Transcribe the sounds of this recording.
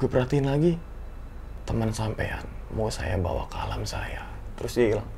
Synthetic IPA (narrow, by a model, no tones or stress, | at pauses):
kupəɾat̪iːnlaɡi | t̪əmənsampḛja̰n | mosa̰ja̰ba̰wa̰kalamsa̰ja | t̪əɾʊsilaŋ